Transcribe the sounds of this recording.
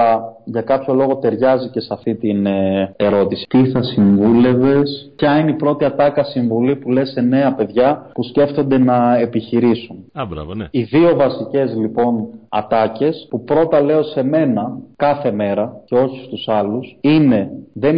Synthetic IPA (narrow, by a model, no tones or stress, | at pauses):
ɐʝɐkɐpço̞lo̞ɣo̞t̪e̞ɾʝɐzice̞sɐft̪it̪ine̞ɾo̞t̪isi̥t̪iθɐsiɱvule̞ve̞spçɐineipɾo̞t̪iɐt̪ɐkɐsiɱvulipule̞se̞ne̞ɐpe̞ðʝɐpusce̞ft̪o̞nd̪e̞nɐe̞piçiɾisunbɾɐ̰iðio̞vɐsice̞zlipo̞nɐ̰t̪ɐce̞spupɾo̞t̪ɐle̞o̞se̞me̞nɐkɐθe̞me̞ɾɐce̞oçi̥st̪usɐlusine̞ðe̞n